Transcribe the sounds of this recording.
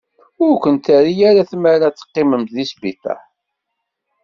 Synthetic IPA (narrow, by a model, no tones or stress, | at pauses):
ʊɾkʷənt̪æɾijæɾaθmæɾat͡sːə̥qːɪməmt̪ðisbiθæ̰ħ